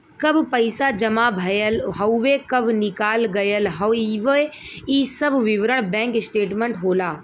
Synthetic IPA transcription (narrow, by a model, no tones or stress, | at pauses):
kɐbʱpɐɪsad͡ʒɐmabʱɐjəlɦɐwʋekɐbʱnɪkaːlɡɐjəlɦɐiʋəiːsɐbʱʋiʋɾəɽ̃bɛ̃ːŋksʈeːʈmẽɳʈɦoːlaː